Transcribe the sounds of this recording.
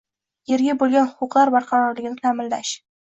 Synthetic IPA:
jeɾɡʲabolˠɡʲanhʊqʊqlˠaɾbaɾqʰɑɾɒɾlɪɡʲɪnɪt̪ʰamɪlːaʃ

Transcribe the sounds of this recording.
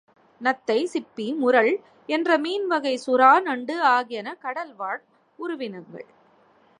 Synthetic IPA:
nɐt̪ːɐɪsɪpːimʊɾɐɭ | ɛndrɐmiːnʋɐɣɐɪsʊɾaːnɐɳɖɯaːɣɪjɐnɐkɐɽɐlʋaːʈ̚ | ʊɾʊʋɪnɐŋɡɐ̰ɭ

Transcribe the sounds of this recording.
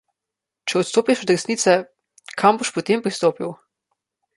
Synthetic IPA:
t͡ʃɛɔt̪st̪oːpiʃɔd̪ɾɛsniːt̪sɛ | kʰamboʃpɔt̪empɾist̪oːpiw

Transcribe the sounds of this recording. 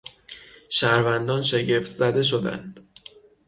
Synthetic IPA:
ʃæɾvænd̪ɒːnʃe̞ɟe̞ft̪zæd̪e̞ʃ̬o̞d̪æ̰nd̪̥

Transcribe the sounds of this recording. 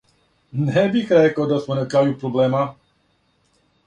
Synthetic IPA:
nɛbixɾekad̪asmonakɾaːjupɾoblɛːma

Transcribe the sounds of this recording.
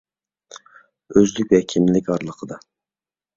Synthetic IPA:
øzlyk̚ʲvɛkʲʰimlɪkʲɑɾlˠəqʰəd̪ɑ

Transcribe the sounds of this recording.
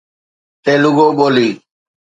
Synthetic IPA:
t̪eːlʊɠoːɓoːliː

